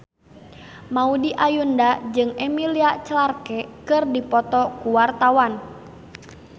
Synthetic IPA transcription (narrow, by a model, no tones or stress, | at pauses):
maudiʔajundad͡ʒɨŋɛmiliat͡ʃlarkɛkɨrdipɔt̪ɔkuwart̪awan